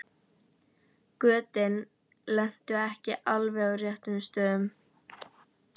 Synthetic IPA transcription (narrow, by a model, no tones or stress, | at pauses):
kœːt̪ɪn | lɛn̥t̪ʏɛhcɪʔalvɛɣawrjɛht̪ʏst̪œːðʏm